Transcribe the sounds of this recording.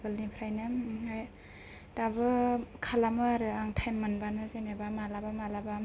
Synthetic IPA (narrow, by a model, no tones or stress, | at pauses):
ɡɯlnipʰɾajnɯaj | dabɯkʰalamɯaɾɯaŋtʰajmːanbanɯzenebamalabamalaba